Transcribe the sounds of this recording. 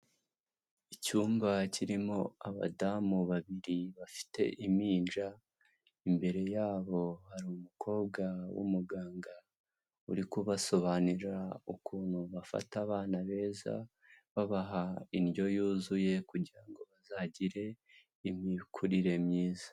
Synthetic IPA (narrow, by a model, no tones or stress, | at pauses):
icuːmbaciɾimo̞aβa̰damuβaβiɾiβafi̥te̞̰ʔimiːnd͡ʒa | imbe̞ɾe̞jaːβo̞haɾiumukʰo̞ːb̚ɡawṵmuɡaːŋɡa | ṵɾikuβaso̞βaniɾaukuːn̥huβafa̰taβaːnaβe̞ːza̰ | βaβaɦainɟo̞juːzuje̞kuɟiɾaŋɡo̞βazaɟiɾe̞ | imikʰuɾiɾe̞mɲiːzḁ